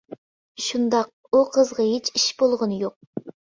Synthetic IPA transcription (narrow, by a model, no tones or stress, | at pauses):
ʃund̪ɑq̚uqʰəzʁɑɦet͡ʃʰiʃbolˠʁənɨjoq̚